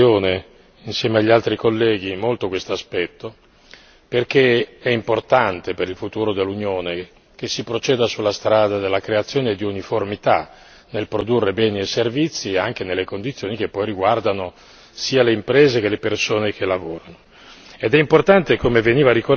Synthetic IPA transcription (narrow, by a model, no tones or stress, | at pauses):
oːne | insjɛːmeaʎːialt̪ɾikolːɛːɡimolt̪okwest̪oaspɛt̪ːo | perk̟eɛimport̪ant̪epeɾilfut̪uːɾod̪elːunjoːne | k̟esːipɾot͡ʃɛːd̪asulːast̪ɾaːd̪ad̪elːakɾeat̪sːjoːned̪iuniformit̪a | nelpɾod̪urːebɛːnieservit̪sːiaŋk̟enelːekond̪it̪sjoːnik̟epːɔjriɡward̪ano | siːaleimpɾeːzek̟elepersoːnek̟elavoːɾano | ed̪ɛimport̪ant̪ekomeveniːvaɾiko